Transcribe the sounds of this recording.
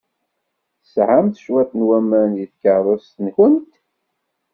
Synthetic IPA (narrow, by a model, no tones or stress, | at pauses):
θəsʕamθʃwæθnwæmænjəθkəðˤəst̪ənçənt̪